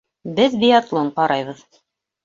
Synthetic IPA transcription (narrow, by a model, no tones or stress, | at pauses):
bɘðbijat̪lˠoɴqɑɾʔɑjβɤð